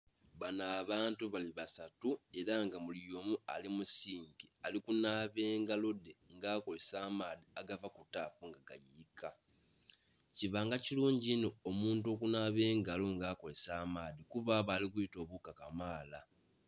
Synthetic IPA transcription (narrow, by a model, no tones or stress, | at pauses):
βanaːβaːntuβaliβasatue̞ɾaŋɡamulo̞ːmua̰limusiːŋɡialikunaːβe̞ːŋɡalodeŋɡaːko̞le̞saːmaːðiaɡavakutaːfuŋɡaɡa̰jikʰa | ciβaŋɡaciluːɲɟino̞ːmuːnto̞kunaːβe̞ːŋɡalo̞ŋɡaːko̞le̞saːmaːðikuβaβalikujito̞ːβukakamaːla